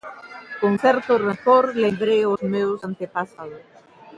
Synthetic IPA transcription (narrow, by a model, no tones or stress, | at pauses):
koŋθɛɾt̪oret̪oɾleβɾeosmewsant̪epasaðʊ